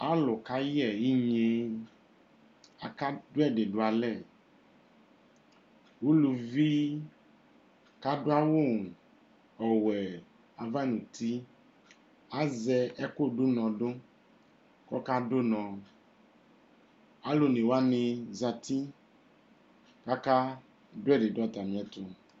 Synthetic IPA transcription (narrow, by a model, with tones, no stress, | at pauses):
a˦lʊ˨ka˨ji˦ɛ˨i˦ɲe˧ | a˨ka˦dʊ˦ɛ˦˨dɪ˨dʊ˨a˨lɛ˦˨ | wo˦lu˨vi˦ | ka˦dʊ˦a˦wo˦˨ | ɔ˨wɛ˨ | a˨va˦˨nũ˨tʰi˦ | a˦zɛ˧ɛ˦ko˦˨dʊ˦nɔ̃˨dʊ˦ | kɔ˦ka˦do˦nɔ̃˨ | a˨˦lo˨ne˨wa˦nɪ˧za˨t̪i˦ | ka˦ka˦ | dʊ˦ɛ˦˨de˨dʊ˦a˨ta˨nĩ˨ɛ˨t̪ʊ˨